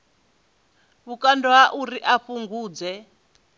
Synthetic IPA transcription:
βukandɔɦaʔuɾiʔaɸuŋɡuːd͡zɛ

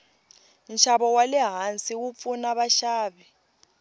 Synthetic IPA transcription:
nʃaɓɔwalɛɦant͡sʼiwup̪funaɓaʃaːɓɛ

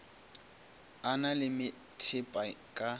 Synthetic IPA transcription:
analɪmɪ | tʰɪpʼakʼa

